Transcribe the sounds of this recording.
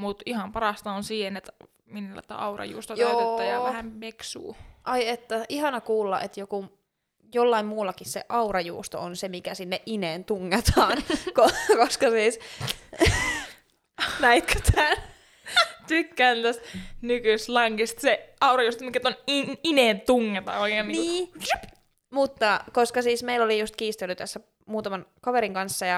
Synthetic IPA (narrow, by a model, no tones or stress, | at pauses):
mut̪ihɑmpɑɾɑst̪ɑonsiːhenet̪ | minːulɑ̰t̪ːɑ̰ɑurɑ̰jṵːst̪ɑtooˑt̪et̪ːɑjɑʋæhæmmeksṵːʔɑiet̪ːæʔihɑnɑkuːlːɑ̰ʔet̪joku | jolːɑimmuːlːɑkissḛʔɑurɑjṵːst̪o̰onsemikæsinːeʔʔineːnt̪uŋːet̪ʰɑːnkokoskɑsiːs | næit̪kʰøt̪ʰæːn | t̪ykːæːnt̪æst̪nykyst̪lɑŋkist̪seɑurɑjuːst̪omikːæet̪ːoniineːnt̪uŋːet̪ɑ̰ːoikehniniː | mut̪ːɑkoskɑsiːsmeilːolijust̪̚kiːst̪elːyt̪æsːæ | muːt̪ɑmɑnkɑʋeɾiŋkɑnsːɑjɑ